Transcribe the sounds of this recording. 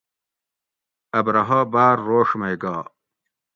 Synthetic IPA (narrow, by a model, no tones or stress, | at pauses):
ɐbɾɐɦɐbaːɾːoːʂmɐjɡaː